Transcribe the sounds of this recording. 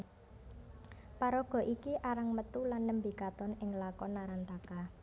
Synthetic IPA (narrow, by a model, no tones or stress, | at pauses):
paɾɔɡ̥ɔ̤ʔikiʔaɾaŋmət̪ulanːəmbikat̪ɔnɪŋlakɔnːaɾant̪aka